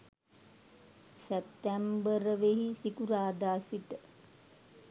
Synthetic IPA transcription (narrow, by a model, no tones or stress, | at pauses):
sɛp̚t̪æmbəɾəʋeɦisikuɾaːd̪aːsʋiʈə